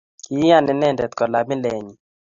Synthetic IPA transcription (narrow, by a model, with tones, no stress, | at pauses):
i˦a˦˨nɛ˨nɛ˦˨ndɛ˨t̪kɔ˨la˨bɪ˦lɛ˨ɲi˨